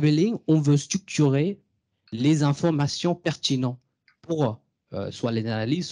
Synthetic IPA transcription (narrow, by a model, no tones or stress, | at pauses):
bɛliŋɔ̃vøst̪χyk̚t̪yʁe | lezɛ̃fɔʁmasjɔ̃pɛʁt̪inɑ̃ | puʁ | ø̰swalezanaliz